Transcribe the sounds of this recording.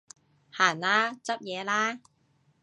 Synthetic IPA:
haː˨˩nlaː˥t͡sɐ˥p̚jɛː˨˧laː˥

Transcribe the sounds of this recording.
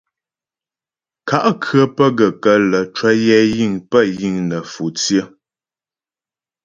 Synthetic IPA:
ka˦˨ʔkʰɰə˦pə˦ɡə˨kə˦lə˨t͡ʃwə˦jɛ˦ji˦˨ŋpə˦˨ji˦˨ŋnə˨fu˨t͡sjə˦˨

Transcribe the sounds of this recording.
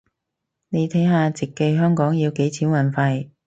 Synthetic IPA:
ne˨˧jt̪ʰɐ˨˥jɦaː˧t͡sɪ˨kːe˧jɦœː˥ŋkɔː˨˥ŋjiː˧wke˨˥jt͡sʰiː˨˥nwɐ˨˩nfɐ˧j

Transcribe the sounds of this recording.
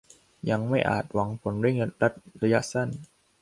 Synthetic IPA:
ja˧ŋma˥˩jʔa̰ː˨˩t̪̚wa˩˦ŋpʰo˩˦nɾi˥˩əŋɾa˦˥t̪̚ɾa˧ja˦˥ʔsa˥˩n

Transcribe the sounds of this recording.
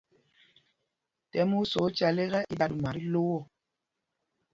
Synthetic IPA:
tɛ˨˦mu˦sɔ˨˦t͡ʃa˨le˦ɣɛ˦ʔi˦ɗa˦du˨ma˨ɾi˦lo˦wɔ˦˨

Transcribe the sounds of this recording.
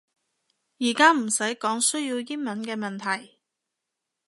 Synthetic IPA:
jiː˨˩kaː˥m̩˨˩sɐ˨˥jkɔː˨˥ŋsɵ˥ɥjiː˧wji˥nmɐ˨˥nkɛː˧mɐ˨nt̪ʰɐ˨˩j

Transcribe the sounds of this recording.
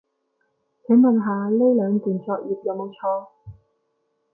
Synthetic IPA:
t͡sʰe˨˥ŋmɐ˨nɦaː˨le˥jlœː˨˧ŋt̪yː˨˩nt͡sɔː˧k̚jiː˨p̚jɐ˨˧wmo˨˧wt͡ʃʰɔː˧

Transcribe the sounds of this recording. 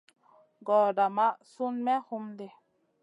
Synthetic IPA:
ɡɔː˨da˨ma˦su˦nmɛ˦hu˦mde˨

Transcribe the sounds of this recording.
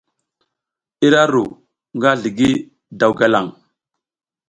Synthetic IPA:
i˦ɾa˦ɾu˨ | ŋɡa˦ɮi˨ɡi˦ | da˨wɡa˦la˨ŋ

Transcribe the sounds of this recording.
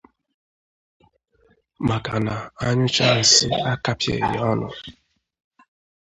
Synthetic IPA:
ma˨ka˨na˨a˦ɲʊ˦t͡ʃa˦˨sɪ˦a˦ka˦pjḛ˨ɲɪ˨˦ɔ˦nʊ̰˨

